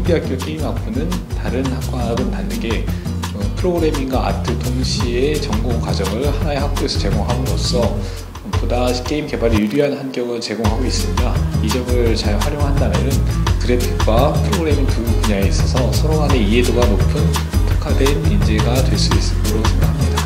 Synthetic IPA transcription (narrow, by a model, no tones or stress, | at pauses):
ŋɡiɦak͈̚jok͈e̞imap͈unɯntaɾɯnhak̚k͈waɡɯntanːɯɡe̞ | ɯpʰɯɾoɡɯɾe̞miŋɡaa̰tʰɯtʰoŋɕʰie̞t͡ɕʌŋɡokwad͡ʑʌŋɯɭhanae̞ɦak̚k͈oes͈ʰʌt͡ɕe̞ɡoŋɦanɯnɡʌs͈ʌ | podaɕʰi̥k͈e̞imke̞baɾiiɾiɦanhanɡjʌɡɯɭt͡ɕe̞ɡoŋɦaɡois͈ɯɲidaid͡ʑʌɡɯɭt͡ɕaɭɸwaɾjoŋɦandaɾenɯnkɯɾe̞tʰɯk͈wapʰɯɾoɡɯɾe̞mitukuɲaeis͈ʌsʰʌsʰʌɾonɦaneie̞doɡanopʰɯn | tʰu̥kʰade̞mind͡ʑe̞ɡadwe̞ɭs͈uis͈ɯ̥toɾosʰe̞ŋɡakʰamɲida